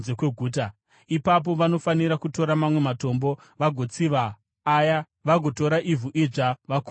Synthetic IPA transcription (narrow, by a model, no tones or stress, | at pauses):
zekwe̞ɡʱuːt̬a | ipap̬o̞ʋano̞faniɾakuto̞ɾamamwe̞mato̞mbo̞ | ʋaɡʱo̞t͡siʋaː | ja | ʋaɡʱo̞to̞ɾaʔivuʔiʐaʋak